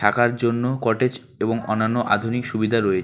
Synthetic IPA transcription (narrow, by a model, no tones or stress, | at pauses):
akaɾd͡ʑonːokɔʈed͡ʑ | eboŋɔnːanːoʔa̰d̪ʱunikʃubid̪ʱaɾoe